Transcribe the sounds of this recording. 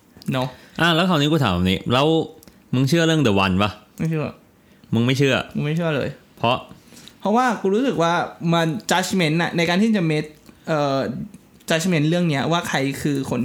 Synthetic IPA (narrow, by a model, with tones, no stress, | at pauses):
nɔ˦˥ʔaː˧˩lɛː˦˥wkʰa˨˩wniː˦˥kuː˧t̪ʰaː˨˦maː˨˩niː˦˥lɛː˦˥w | mɯ˧ŋt͡ɕʰɯ˥˩ɐɾɯ˥˩ŋdɯ˨˩˦wa˧nba˦˧˩ma˥˩jt͡ɕʰɯ˥˩ɐ | mɯ˧ŋma˥˩jt͡ɕʰɯ˥˩ɐmɯ˧ma˥˩jt͡ɕʰɯ˥˩ɐlɤ̰ː˧jpʰɾɔ˦˥ʔpʰɔ˦˥waː˥˩kuː˧ɾuː˦sɯ˨˩k̚waː˥˩ma˧nt͡ɕa˦˥t͡ɕʰme˦˥nʔa̰˨˩na˧jka˧nt̪ʰiː˥˩t͡ɕa˨˩me˦˥t̪̚ʔɤː˨˩ | t͡ɕa˦˥t͡ɕme˦˥nɾɯ˥˩əŋni˦˥ɐwaː˥˩kʰa˧jkʰɯː˧kʰo˧˥n